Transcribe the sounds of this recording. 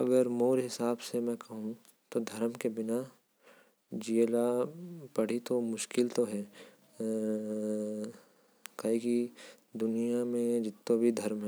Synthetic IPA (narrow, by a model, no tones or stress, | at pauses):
ɐɡəɾmoːɾɦɪsaːbsemɛ̃kɐɦũ | t̪od̪ʱɐɾmkebɪna | d͡ʒielapɐɽ̤it̪omʊʃkɪlt̪oɦɛː | kaiki | d̪ʊnijamẽd͡ʒɪt̪ːobʱid̪ʱɐɾmɦɛ